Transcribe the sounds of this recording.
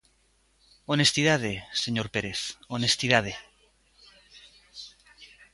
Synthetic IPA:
onest̪iðað̞eseɲoɾpeɾeθonest̪iðað̞e

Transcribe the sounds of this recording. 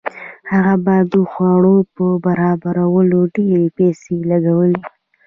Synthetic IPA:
haɣabɑd̪əxwɑɽ̃opəbaɾɑbaɾawəloɖeɾepɛselaɡawəli

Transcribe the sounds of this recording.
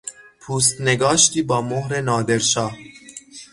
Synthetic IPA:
pʰuːs̬t̪neɡɒːʃt̪iːbɒːmohɾenɒːd̪eɾʃɒːh

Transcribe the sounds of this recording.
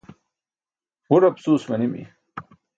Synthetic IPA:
ɡuɾɐpsuːsmɐnimḭ

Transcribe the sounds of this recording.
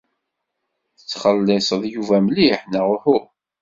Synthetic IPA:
θət͡sːχəlːɪsˤəðˤjuvæmliħnəʁʊhu

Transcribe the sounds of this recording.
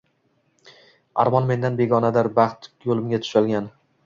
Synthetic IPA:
a̰ɾmɒnme̞nd̪anbe̞ɡɒnad̪aɾbɑχt̪jolˠɪmɡʲat̪ʰʊ̥ʃalɡʲan

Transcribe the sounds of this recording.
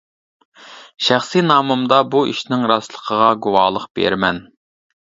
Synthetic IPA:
ʃæχsinɑːmumd̪ɑbuʔḭʃnɪŋɾɑslˠəqʰəʁɑɡuwɑːlˠəqb̥ḛɾmɛn

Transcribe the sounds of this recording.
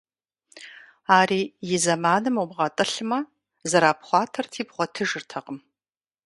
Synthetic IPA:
aːriːjɪzɐmaːnɨmubʁɐtʼɨɬɨmɐ | zɐɾaːpχʷɑːtʰɐrtʰiːbʁʷɔtʰɨʒɨrtʰɐqʼəm

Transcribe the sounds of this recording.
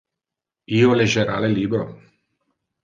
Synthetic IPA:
ioleʒeɾa̰leliːbɾo

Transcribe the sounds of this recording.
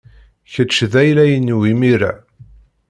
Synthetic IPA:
çət͡ʃːðæjlæjənːwimiɾæ̰

